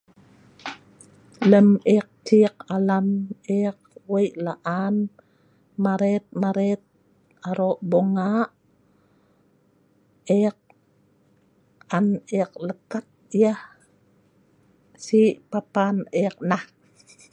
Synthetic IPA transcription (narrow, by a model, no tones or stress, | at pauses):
ləmeq̚t͡ʃiq̚alaneq̚wəjʔlaʔan | maɾet̪̚maɾet̪̚ | aɾoʔboŋaʔ | eq̚ | aniq̚ləkat̪̚iah | siʔpapanek̚nah